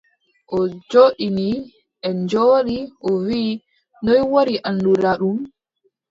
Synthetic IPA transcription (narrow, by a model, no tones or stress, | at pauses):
ʔɔd͡ʒoːɗini | ʔɛɲd͡ʒoːɗiʔɔwiː | nɔjwoɾiʔanduɾaɗum